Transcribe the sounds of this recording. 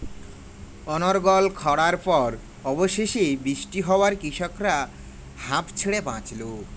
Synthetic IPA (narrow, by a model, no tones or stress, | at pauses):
ɔnoɾɡɔlkʰɔɽaɾpɔɾ | ɔboʃeʃibɾiʃʈiɦɔoaɾkiʃɔkɾa | hãpt͡ɕʰeɽebãt͡ɕlo